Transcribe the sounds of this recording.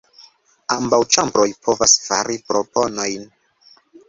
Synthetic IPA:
ambawt͡ʃambɾo̞jpʰo̞vasfaɾipɾo̞po̞no̞jn

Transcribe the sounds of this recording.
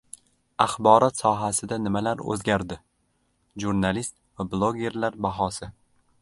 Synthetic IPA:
aχbɒɾɒt̪sɒɦasɪd̪anɪmalaɾɵ̰zɡʲaɾd̪ɪ | ʒuɾnalist̪vablˠoɡʲe̞ɾlaɾbaɦɒsɪ

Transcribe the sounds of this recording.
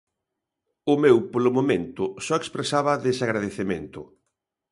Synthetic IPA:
ʊmewpolʊmomẽnt̪ʊsɔekspɾesaβɐðesaɣɾað̞eθemẽnt̪ʊ

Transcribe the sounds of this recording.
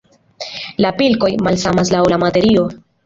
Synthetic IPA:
lapilko̞jmalsamaslawlamate̞ɾio̞

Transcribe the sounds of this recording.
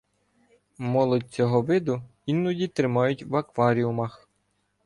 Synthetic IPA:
mɔlˠɔd̚ʲt͡sʲɔɦɔʋɪd̪ʊ | inːʊdʲit̪ɾɪmɑjʊtʲʋɐkʋɑɾʲiʊmɐx

